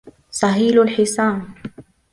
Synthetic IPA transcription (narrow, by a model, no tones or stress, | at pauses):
sˤɑɦiːlʊlħɪsˤɑːn